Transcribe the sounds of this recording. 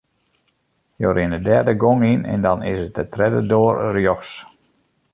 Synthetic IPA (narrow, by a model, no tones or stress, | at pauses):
jo̰ɾɪndədɛrdəɡoŋinɛ̰ndɑnɪ̰sət̚dətrɛdədoərrjɔxs